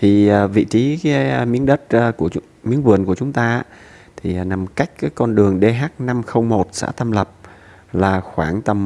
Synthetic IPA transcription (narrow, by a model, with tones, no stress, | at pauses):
t̪ʰiː˨˩˨vḭ˧˨t͡ɕi˨˦˨mi˨˦əŋɗə˦˥t̚ːku˧˩ə | mi˨˦ənvɨ˨˩ənku˧˩ət͡ɕʊ˨˦ŋ͡mt̪aː˧˥ | t̪ʰi˨˩˨na˨˩mka˦˥jk̟̚ka˨˦kɔ˧nɗɨ˨˩əŋɗe˧ɦaː˦˥k̚na˧mxə˧wŋ͡mmo˨˩t̚sa̰ː˧˥t̪ə˧mlə˨˩p̚ | laː˨˩xwaː˧˩ŋt̪ə˧m